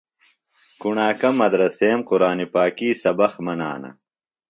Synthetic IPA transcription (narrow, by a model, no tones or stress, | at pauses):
kuɳaːkɐmɐd̪ɾɐseːmquɾaːnipaːkiːsɐbɐxmɐna̰ːnɐ̰